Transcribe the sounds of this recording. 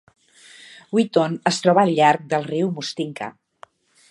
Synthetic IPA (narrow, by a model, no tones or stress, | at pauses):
wit̪onəst̪ɾɔβəːʎʎːaɾk̚d̪əlˠriwmust̪iŋkʰə̰